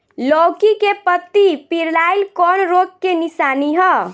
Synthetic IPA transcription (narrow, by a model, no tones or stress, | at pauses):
lokikepət̪ːipiɾlajlkɔnɾoɡ̚kenisaniɦɔ